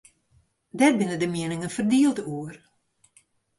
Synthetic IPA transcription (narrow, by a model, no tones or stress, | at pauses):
dɛr̚bɪnədəmiənɪŋənfərdiəlˠdəuər